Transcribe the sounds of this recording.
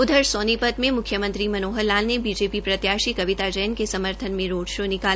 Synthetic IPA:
ʊd̪ʱəɾsɔːnipət̪mẽmʊkʰjəmə̃nt̪ɾimɐnoːɦəlːaːlnebiːd͡ʒeːpipɾɐt̪jaːʃikɐʋɪt̪ad͡ʒəjənkesɐməɾt̪ʰənmẽɾoːɖʃonɪkaː

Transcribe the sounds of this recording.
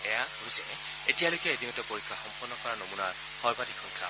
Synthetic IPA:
ɛjaɦojsɛ̰ | etijalojkɛedinɔtɛpoɹikʰːaxɔmpɔnːɔkɔɹanomunaɹ | xɔɹbatikʰɔŋkʰa̰

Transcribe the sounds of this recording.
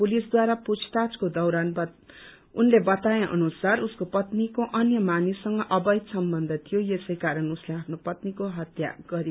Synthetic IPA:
pulisd̪waɾaput͡sʰt̪at͡skod̪ʌwɾanb | unlebʌt̪ajeʔʌ̰nusaruskopʌt̪nikoʔʌnjʌmanisːʌŋɡʌʔʌbʌjt̪sʌmbʌnd̪ʱʌt̪ʰijojesʌjkaɾʌnusleapʰnopʌt̪nikoɦʌt̪ja̰ɡ̥ʌɾi

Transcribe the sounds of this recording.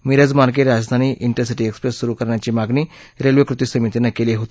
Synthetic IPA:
miɾad͡zmaɾk̬eɾɾad͡zd̪ʱaniʔiɳʈəɾsiʈiekspɾesːuɾukəɾɳjat͡ɕimaɡni | ɾelʋəkɾut̪isəmit̪inakeliɦot̪

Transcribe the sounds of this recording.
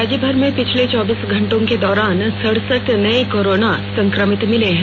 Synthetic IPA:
aːd͡ʒəbʱəɾmẽpɪt͡ʃʰlet͡ʃɔːbiːsɡʱɐ̃ɳʈõked̪ɔːɾaːnsɐɽ̤səʈnɐikoːɾoːnasɐ̃ŋkɾəmɪt̪mɪleɦɛ̃

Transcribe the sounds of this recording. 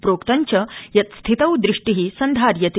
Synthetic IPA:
pɾoːkt̪aɲt͡ɕəjɐt̪st̪ʰit̪əwd̪ɾiʂʈiɦiːsənd̪ʱaɾjɐt̪

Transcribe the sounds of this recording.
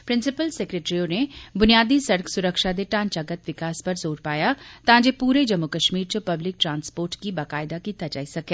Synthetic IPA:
pɾɪnsɪpəlseːkɾeːʈɾionebʊnijaːd̪isɐɽəksʊɾəkʃad̪eʈãːnt͡ʃaɡət̪ʋɪkaːspɐɾzoːɾpaːjat̪ãːd͡ʒeːpuːɾed͡ʒəmːʊkəʃmiːɾt͡ʃəpɐblɪk̚ʈɾãːnspoːɾʈkibaːkaːɪd̪akiːt̪ad͡ʒa̰ːisɐkeː

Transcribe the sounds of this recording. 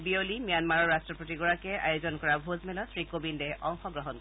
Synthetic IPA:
biolimijanmaɹɔɹɹastɹɔpotiɡɔɹakɛa̰jozɔnkɔɹabʱozmɛlɔt̪ʰɹikobindɛɔŋxɔɡɹɔɦɔnk

